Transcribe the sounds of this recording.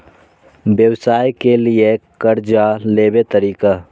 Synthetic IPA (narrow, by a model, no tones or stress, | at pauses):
bjəwsaːjkeliekəɾd͡ʒaleːbet̪əɾiːka